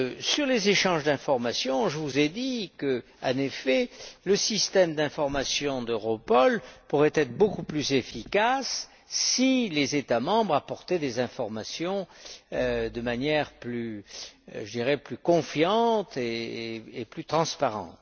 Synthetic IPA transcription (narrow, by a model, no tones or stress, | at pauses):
syʁlezeʃɑ̃ʒd̪ɛ̃fɔʁmasjɔ̃ʒəvuzɛd̪ikə | ɑ̰̃nefɛləsist̪ɛmd̪ɛ̃fɔʁmasjɔ̃d̪øʁɔpɔlpuʁɛt̪ɛt̪χbokuplyzefikasː | ilezet̪amɑ̃bʁapɔʁt̪ɛd̪ezɛ̃fɔʁmasjɔ̃ød̪əmanjɛʁply | ʒəd̪iʁɛplykɔ̃fjɑ̃t̪eeplyt̪χɑ̃spaʁɑ̰̃t̪